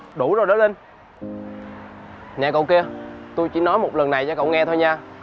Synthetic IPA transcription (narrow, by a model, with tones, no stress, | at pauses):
ɗu˧˩zo˨˩jɗa˨˦le˧n | ɲa̰ː˧˨˩kə̰˧˨wki˧ət̪u˧jt͡ɕḭ˧˥˦nɔ˨˦jmo˨˩t̚lə˨˩nːa˨˩jt͡ɕaː˧˦kə̰˧˨wŋɛ˧t̪ʰo˧jɲaː˧